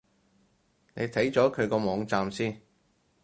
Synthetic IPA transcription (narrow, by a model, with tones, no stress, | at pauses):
ne˨˧jt̪ʰɐ˨˥jt͡sɔː˨˥kʰɵ˨˧ɥkɔː˧mɔː˨˧ŋt͡saː˧msiː˥n